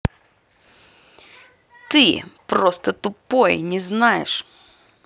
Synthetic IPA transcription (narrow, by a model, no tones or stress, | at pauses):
t̪ɪpɾɔst̪ɐt̪ʊpɔjnʲɪznɑjɪ̰ʂ